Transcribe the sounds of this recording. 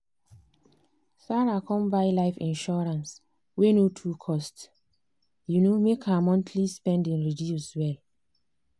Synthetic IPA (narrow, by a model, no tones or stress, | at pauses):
saɹakʰɔ̃mbajlaɪfḭ̃nʃɔɹãns | wenotʰukʰɔst | junomekʰamɔ̃ntʰlispɛ̃ndĩnɹiviuswɛl